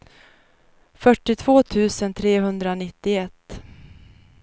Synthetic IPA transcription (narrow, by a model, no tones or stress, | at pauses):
fœʈːɪt̪ʰv̥oːt̪ʰʉ̟ːsənt̪ʰɾeːɦɵnd̪ɾanɪt̪ːɪɛt̪ː